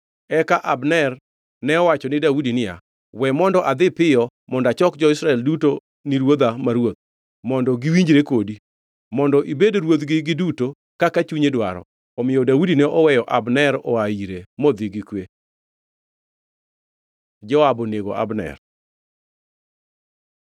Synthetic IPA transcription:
ɛkaʔabnɛr | nɛɔwat͡ʃɔnɪdaudinɪja̰ | wɛmɔndɔʔad̪ɪpɪjɔ | mɔndat͡ʃɔkd͡ʒɔɪsɾaɛlduto | niɾwod̪amaɾwot̪̚ | mɔndɔɡiwiɲd͡ʒɾekodi | mɔndɔʔibedɾwot̪ɡɪɡɪduto | kakat͡ʃuɲedwaɾɔ̰ | ɔmɪjɔdaudinɛʔɔwɛjɔʔa̰bnɛɾɔaiɾemɔd̪ɪɡɪkwe | d͡ʒɔabɔneɡo̰ʔa̰bnɛ̰r

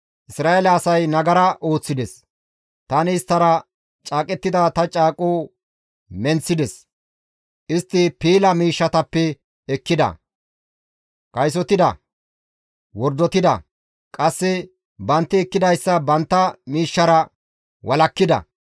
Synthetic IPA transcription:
ʔɪsɾaːʔelɐːsɐjnɐɡɐɾɐʔo̞ːt͡sːɪd̪ɛs | t̪ɐnɪːst̪ːɐɾɐ | t͡ʃʼaːkʼɛt̪ːɪd̪ɐt̪ɐt͡ʃʼaːkʼuː | mɛnt͡sːɪd̪ɛs | ʔɪst̪ːɪpiːlɐmiːʃːɐt̪ɐpːɛ | ɛkːɪd̪ɐ̰ | kɐjs̬ɔt̪ɪd̪ɐ̰ | wɔɾd̪ɔt̪ɪd̪ɐ̰ | kʼɐsːɛ | bɐnt̪ːɪɛkːɪd̪ɐjsːɐbɐnt̪ːɐmiːʃːɐɾɐ | wʔɐlɐkːɪd̪ɐ̰

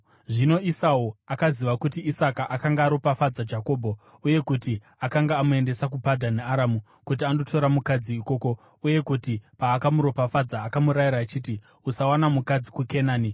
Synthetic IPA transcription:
ʐino̞ʔisauakaziʋakutiisakaʔakaŋɡaːɾo̞pafad͡zad͡ʒako̞ːbʱo̞ | uje̞kuti | akaŋɡaːmue̞nde̞sak̬upadʱaneaɾamu | kut̬iando̞tʰo̞ɾamukad͡ziːko̞ːko̞ | uje̞kutipaːkamuɾopafad͡zaːkamuɾajiɾaːt͡ʃiːti | usawanamukad͡zikuke̞naːni

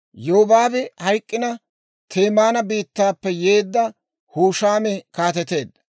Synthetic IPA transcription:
joɔbaːbɛhɐjkʼːɪnɐ | t̪ʰeːmaːnɐbiːt̪ːaːpːɛje̞ːd̪ːɐ | huːʃaːmɛkaːt̪ɛt̪e̞ːd̪ːɐ

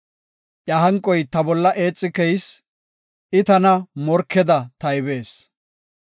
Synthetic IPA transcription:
ʔjaɦɐŋkʼːɔjt̪ɐbɔlːɐʔe̞ːt͡sʼːɪkɛjs | ʔɪt̪ɐnɐmɔɾkːɛd̪ɐt̪ɐjbe̞ːs

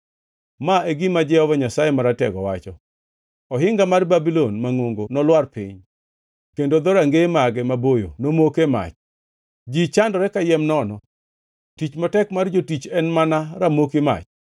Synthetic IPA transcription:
maeɡimad͡ʒɛɔvɔɲasajɛmaɾatɛɡɔwat͡ʃɔ | ɔɦɪŋɡamarbabilonmaŋoŋɡonɔlwarpḭɲ | kendod̪ɔɾaŋɡemaɡɛmabojo̰nomokema̰t͡ʃ | d͡ʒit͡ʃandɔɾɛkajɛmnɔnɔ | tit͡ʃmatɛkmard͡ʒotit͡ʃɛnmanaɾamokema̰t͡ʃ

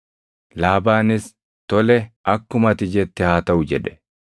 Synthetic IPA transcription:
laːbaːnɪs | t̪ɔlɛʔɐkːʊmɐt̪ɪd͡ʒɛt̪ːɪhaːt̪ɐʊd͡ʒɛᶑɛ̥

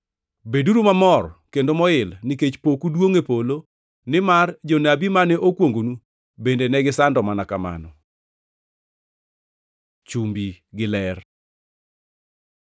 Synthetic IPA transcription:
beduɾumamɔrkendomɔɪlnɪket͡ʃpokudwoŋepolo | nɪmard͡ʒɔnabimanɛʔokwoŋɡonu | bendenɛɡɪsandɔmanakama̰nɔ | t͡ʃumbiɡɪlɛr

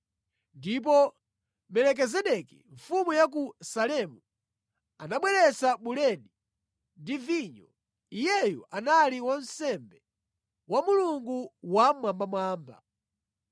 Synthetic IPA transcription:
ndip̬ɔ | mɛlɛk̬ɛzɛɗɛkḭɱ̩fumujak̬usalɛmu | anaɓwɛɾɛsaɓulɛɗi | ndiviɲɔ | ijɛjɔ̰ʔanaliwan̩sɛmbɛ | wamuluŋɡuwamwambamwaːmba̰

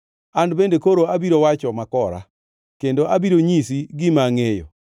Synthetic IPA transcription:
andbendekoɾoabiɾowat͡ʃɔmakɔɾa̰ | kendoʔabiɾoɲisiɡɪmaŋejɔ̰

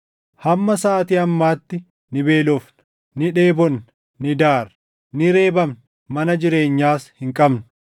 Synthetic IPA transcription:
hɐmːɐsaːt̪iːɐmːaːt̪ːɪ | nɪbe̞ːlɔfn | nɪᶑeːbɔnː | nɪd̪aːɾ | nɪɾe̞ːbɐmn | mɐnɐd͡ʒɪɾe̞ːɲːaːshɪŋkʼɐbn

